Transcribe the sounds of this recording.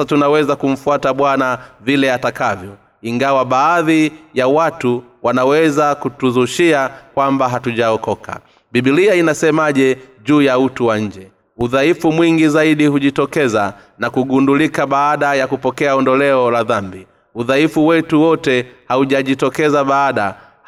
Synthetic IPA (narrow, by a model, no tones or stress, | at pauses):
atunawɛzakum̩fuataɓwanavilɛatakavjɔ | iŋɡawaɓaːðijawatuwanawɛzakutuzuʃiakwambaɦatuʄaɔkɔkʰa̰ | ɓiɓiliainasɛmaʄɛʄuːjautuwaɲ̩d͡ʒɛ | uðaifumwiŋɡizaiɗihuʄitɔkɛza | nakuɡundulikaɓaːɗajakupɔkɛaɔndɔlɛɔlaðambi | uðaifuwɛtuwɔtɛhauʄaʄitɔkɛzaɓaːɗa